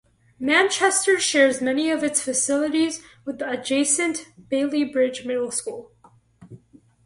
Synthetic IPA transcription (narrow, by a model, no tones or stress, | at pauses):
mæ̃nt͡ʃʰɛstə˞ʃɛɹzmɛniʌvɨtsfɨsɪlˠəɾizwəðɨd͡ʒeɪsɨ̃nʔb̥eɪlˠibɹɪd͡ʒmɪɾl̩ˠskulˠ